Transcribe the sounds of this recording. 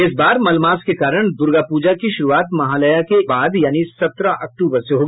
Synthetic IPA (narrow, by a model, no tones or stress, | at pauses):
ɪsbaːɾmɐlmaːskekaːɾəɽ̃d̪ʊɾɡapuːd͡ʒakiʃʊɾuaːt̪mɐɦaːləjakebaːd̪jaːnisɐt̪ɾaʔɐk̚ʈuːbəɾseɦoːɡ